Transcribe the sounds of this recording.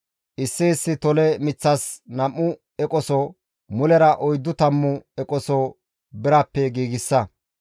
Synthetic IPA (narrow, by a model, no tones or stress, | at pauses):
ʔɪsːɪːsːɪt̪ɔlɛmɪt͡sːɐsnɐmːʊ | ɛkʼɔsɔ | mʊlɛɾɐʔɔjd̪ːʊt̪ɐmːʊɛkʼɔsɔ | bɪɾɐpːɛɡiːɡɪsːɐ